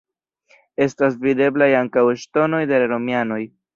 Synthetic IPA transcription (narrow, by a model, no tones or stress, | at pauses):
e̞stas̬vide̞blajaŋkaweʃto̞no̞jde̞laɾo̞miano̞j